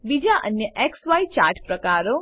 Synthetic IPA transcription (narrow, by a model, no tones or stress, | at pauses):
bid͡ʒaʔə̰njəʔeksʋajt͡ʃa̰ːɾʈpɾəkaːɾo